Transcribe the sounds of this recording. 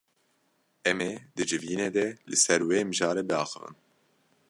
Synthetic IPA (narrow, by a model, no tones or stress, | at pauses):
ɛmed̪ɨd͡ʒɨviːneːd̪ɛlɨsɛɾweːmɨʒɑːɾebɨɑ̰ːxɨ̰vɨ̰n